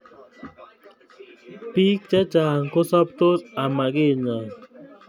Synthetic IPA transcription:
pi˦kt͡ʃɛ˦t͡ʃaː˨ŋko˦sɔ˦p̚t̪o˦sa˨ma˨ke˦˨ɲa˨

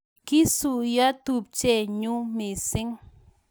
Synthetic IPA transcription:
ki˦su˨ja˦t̪u˨p̚t͡ʃe˦˨ɲu˦mi˨sɪ˦ŋ

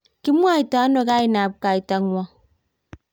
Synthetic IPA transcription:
ki˦mu˦a˦˨i˨ta˨˦no˨ka˦i˨na˨b̚ka˨i˨ta˨ŋwa˦

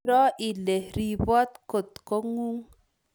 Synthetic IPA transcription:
ɾɔ˦i˨le˨ɾi˨bɔ˦t̪ko˨t̪ko˦ŋu˦ŋ

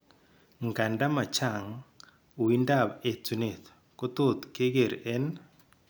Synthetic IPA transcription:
ŋɡa˨nda˦ma˨t͡ʃa˦˨ŋ | u˨i˦nda˦˨βe˨t͡su˨ne˨t̪ | ko˦t̪o˦t̪ke˦ɣe˨ɾɛ˦n

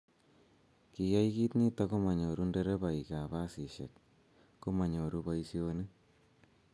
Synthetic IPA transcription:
ki˨ja˦iki˦t̪ni˦t̪a˦ko˦ma˨ɲo˨ɾu˦nde˦ɾe˦βa˨i˨ka˨βa˦si˨ʃḛ˨k̚ | ko˦ma˨ɲo˨ɾu˦pa˦i˦si˦o˧nɨ˦

